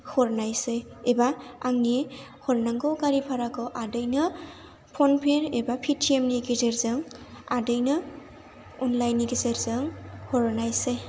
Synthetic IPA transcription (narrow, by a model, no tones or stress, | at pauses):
hʰɔɾnajsɯjebaaŋnihʰɔɾnaŋɡɔwɡaɾipʰaɾakʰɯʔadɯjnɯ | pʰɔnpʰeɾebapʰitʰiemniɡizeɾzɯŋ | adɯjnɯ | ɔnlajnːiɡizeɾzɯŋhɔɾnajsej